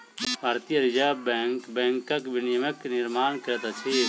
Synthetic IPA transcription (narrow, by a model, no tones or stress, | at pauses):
bʱaːɾt̪ijəɾɪd͡ʒaːbɛŋkbɛ̃ːŋkːɐkʋɪnɪjəməkːnɪɾmaːnkɾt̪at͡ʃʰe